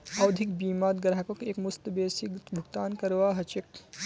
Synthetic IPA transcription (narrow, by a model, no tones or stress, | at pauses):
ɐwd̪ʱik̚biːmaːd̪ɡɾɦɐkɐkeːkmust̪beːsiɡ̪bʱʊɡt̪aːnkɐɾʋaːɦɐt͡ʃek